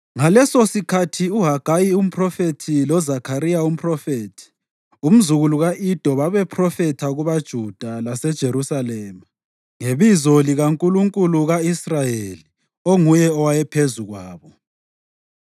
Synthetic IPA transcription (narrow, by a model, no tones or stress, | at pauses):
ŋalɛsosikʰatʰiuɦaɡ̥ʱajium̩pʰrɔfetʰilɔzakʰaɾijaum̩pʰʼrɔfetʰi̥ | um̩zuɣuluɣaʔid̥ʱɔβaβɛpʰrɔfɛtʰaɣuβad̥ʒ̥ʱud̥ʱalasɛd̥ʒ̥ʱeɾusalɛːma | ŋeβizɔliɣaŋkʼuluŋkʼuluɣaisrajeli | oŋujɛɔwajɛpʰezuɣwaːβɔ